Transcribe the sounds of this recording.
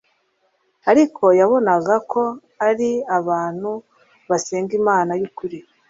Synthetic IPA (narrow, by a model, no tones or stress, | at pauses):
aɾikʰo̞jaβo̞naɡakʰo̞ | aɾiaβaːn̥hu | βaseːŋɡimaːnajukuɾi